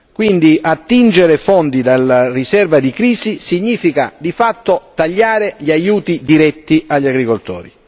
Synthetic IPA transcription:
kwind̪iʔat̪ːind͡ʒeɾefɔnd̪id̪alːarisɛrvad̪ikɾiːzisiɲːiːfika̰d̪ifat̪ːot̪aʎːaːɾeʎiajuːt̪id̪iɾɛt̪ːiaʎːaɡɾikolt̪o̰ːɾi

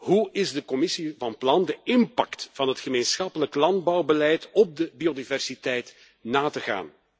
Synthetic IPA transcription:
ɦuɪzdəkɔmɪsivɑnplɑndəɪmpɑ̰ktv̥ɑnɦətxəmeːnsxɑpələklɑndbɑwbəlɛjtɔb̚dəbiodivɛrsitɛjt | naːtəɣa̰ːn

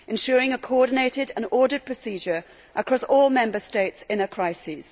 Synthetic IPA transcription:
ɪ̃nʃɔːɹɪ̃ŋəkʰəɔdⁿn̩eɪtɪdə̃nɔːdəd̚pʰɹ̥əsiːd͡ʒəɹ | ʔəkʰɹ̥ɒsɔːlˠmɛ̃mbəsteɪtsɪ̃nəkʰɹ̥aɪsiz̥

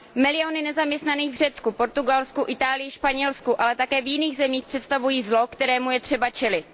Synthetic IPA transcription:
mɪlɪjonɪnɛzamɲɛst̪naniːɣvr̝ɛt̪t͡skupo̞ɾt̪uɡalskuʔɪt̪aːlɪjɪʃpaɲɛlskuʔalɛt̪akɛːvjɪniːɣzɛmiːxpr̝̥ɛt̪st̪avujiːzlo̞kt̪ɛɾɛːmujɛt̪r̝̥ɛbat͡ʃɛlɪt̪

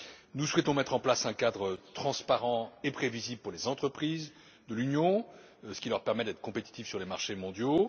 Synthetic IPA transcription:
nuswɛt̪ɔ̃mɛt̪χɑ̃plasɛ̃kad̪ʁət̪χɑ̃spaʁɑ̃epχeviziblpuʁlezɑ̃t̪χəpχiz | d̪əlynjɔ̃ | sə̥kʲilœʁpɛʁmɛd̪ɛt̪χəkɔ̃pet̪i̥t̪ifsyʁlemaʁʃemɔ̃d̪jo

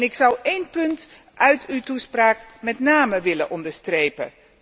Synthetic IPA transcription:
nɪksʌwejnpɵnt | ʔœɥtʰywtuspraːkmɛtnaːməʋɪləʔɔndəɹstrejpə̰

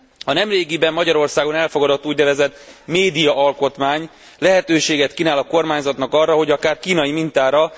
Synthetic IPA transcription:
ɒnɛmreːɡibɛmːɒɟɒɾo̞rsaːɡo̞nɛlfo̞ɡɒd̪ot̪ːuːɟnɛvɛzɛt̪meːd̪ijɒʔɒlko̞t̪maːɲ | lɛɦɛt̪øːʃeːɡɛt̪kinaːlɒko̞rmaːɲzɒt̪nɒkɒrːɒɦo̞ɟɒkaːrkiːnɒjimint̪aːɾɒ

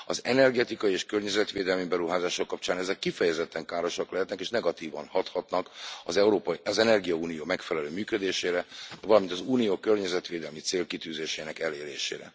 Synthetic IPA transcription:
ɒ̰zɛnɛrɡɛt̪ikɒjieːʃkørɲɛzɛt̪ʋeːd̪ɛlmibɛɾuɦaːzaːʃokːɒp̚t͡ʃaːnɛzɛkːifɛjɛzɛt̪ːɛŋkaːɾo̞ʃɒklɛɦɛt̪nɛkeːʃnɛɡɒt̪iːvɒnhɒt̪hɒt̪nɒkɒzɛɾoːpzɛnɛrɡijɒuːnijoːmɛkfɛlɛløːmyːkød̪eːʃeːɾɛvɒlɒmint̪ɒzuːnijoːkørɲɛzɛt̪ʋeːd̪ɛlmit̪seːlkit̪yːzeːʃeːnɛkɛleːɾeːʃḛːɾɛ̰

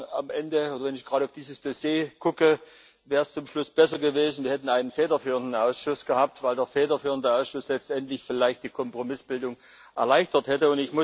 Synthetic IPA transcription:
amʔɛndəoːdɐvɛnɪçɡ̥ʁaːɾəaʊfd̥iːzəsd̥osjeːkʰʊkə | vɛːʁəst͡sʊmʃlʊsb̥ɛsɐɡəveːzn̩viːɐhɛtn̩aɪnənfɛːdɐfyːʁəndn̩aʊsʃʊsɡ̥əhaːp̚tv̥aɪldeːɐfɛːdɐfyːʁəndəaʊsʃʊslɛt͡stʔɛntlɪçfɪlaɪçt̚d̥iːkʰɔmpʁ̥omɪsb̥ɪldʊŋ | ʔɛ̰ɐlaɪçtɐthɛtəʊntɪçmʊ

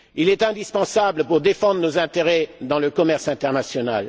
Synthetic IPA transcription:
ilɛt̪ɛ̃d̪ispɑ̃sabləpuʁd̪efɑ̃d̪ʁənozɛ̃t̪eʁɛd̪ɑ̃ləkɔmɛʁsɛ̃t̪ɛʁnasjɔnal

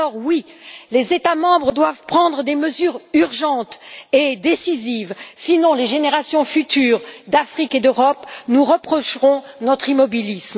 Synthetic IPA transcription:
ɔʁwilezet̪amɑ̃bʁəd̪wavpχɑ̃d̪ʁəd̪eməzyːʁyʁʒɑ̃t̪ed̪esizivsinɔ̃leʒeneʁasjɔ̃fyt̪yːʁd̪afχiked̪øʁɔpnuʁəpχɔʃʁɔ̃ | nɔt̪χimɔbilism

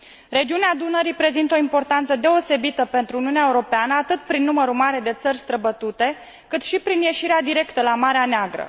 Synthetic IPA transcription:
re̞d͡ʒiunead̪unəɾipɾe̞zint̪o̞impo̞rt̪ant̪səd̪e̞ose̞bit̪əpe̞nt̪ɾuːniuneaeuɾo̞peanəat̪ɨt̪̚pɾinːuməɾumaɾe̞d̪e̞t̪sərʲst̪ɾəbət̪ut̪e̞ | kɨt̪ʃipɾinje̞ʃiɾead̪iɾe̞kt̪əlamaɾeaneaɡɾə̰

